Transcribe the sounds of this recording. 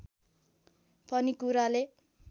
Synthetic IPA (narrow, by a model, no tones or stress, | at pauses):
pʌnikuɾale